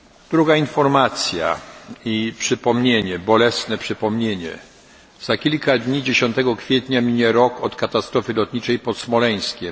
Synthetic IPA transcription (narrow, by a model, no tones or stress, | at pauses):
d̪̥ɾuɡainfɔɾmat̪sʲja̰ipʂɘpɔmɲeɲɛbɔlɛsnɛpʂɘpɔmɲeɲɛ̰ | z̥akʲilkad̪ɲid͡ʑeɕɔnt̪ɛɡɔkfʲjet̪ɲamʲiɲɛɾɔkɔt̪kat̪ast̪ɾɔfɘlɔt̪ɲit͡ʂɛjpɔt̪smɔlɛj̃skʲɛm